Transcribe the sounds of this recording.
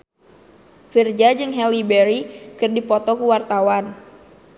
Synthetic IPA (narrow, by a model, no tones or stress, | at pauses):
fird͡ʒad͡ʒɨŋɦɛlibɛɾikɨrdipɔt̪ɔkuwart̪awan